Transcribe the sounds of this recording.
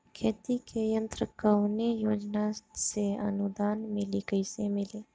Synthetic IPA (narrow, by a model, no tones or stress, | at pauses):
kʰeːt̪ikejə̃nt̪ɾəkəʊnejoːd͡ʒnaseə̰nʊd̪aːnmɪlikəɪsemɪleː